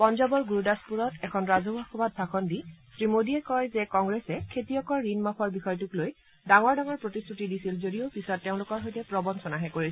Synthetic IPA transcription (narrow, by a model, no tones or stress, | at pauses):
pɔnzɔbɔɹɡuɹudaspuɹɔtɛkʰɔnɹazobʱɔxɔbat̚bʱaxʰɔndisɹimodiɛkɔjzɛkɔŋɡɹɛsɛkʰetiɔkɔɹːinmapʰɔɹbixɔjtukloj | daŋɔɹdaŋɔɹpɹotistʰutidisilzodijopisɔtːeʊ̃lʊkɔɹɦojtɛpɹɔbɔnsɔnaɦɛkoɹisɛ